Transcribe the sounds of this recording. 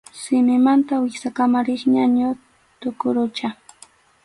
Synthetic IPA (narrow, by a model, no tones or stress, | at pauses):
sɪmɪmant̪awɪksakamaɾɪχɲaɲʊ | t̪ʊkʊɾʊt͡ʃa